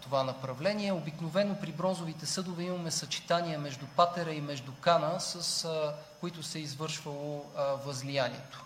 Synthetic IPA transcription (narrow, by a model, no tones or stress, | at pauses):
t̪ovanɐpɾɐvlɛniɛobiknovɛnːopɾibɾɔnzovit̪ɛsɤd̪ovɛimɐmɛsɐt͡ʃi̥t̪aniɐmɛʒd̪upat̪ɛɾəimɛʒd̪ukanəsəskʊit̪ʊsɛizvɤɾʃvəlˠovɐzlijanḭɛt̪ʊ̥